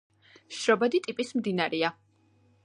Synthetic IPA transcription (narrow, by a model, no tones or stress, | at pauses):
ʃɾɔbad̪it̪ʼipʼismd̪inaɾɛa